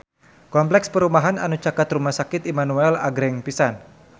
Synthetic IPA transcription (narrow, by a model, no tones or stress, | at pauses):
kɔmplɛkspəɾumaɦana̰nut͡ʃakat̪rumahsakɪt̪imanuɛla̰ɡɾɛŋpisan